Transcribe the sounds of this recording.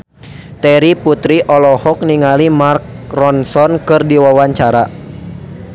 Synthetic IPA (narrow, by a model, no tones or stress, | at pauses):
t̪ɛɾiput̪ɾiʔɔlɔhɔk̚niŋalimark̚rɔnsɔnkɨrdiwawaɲt͡ʃaɾa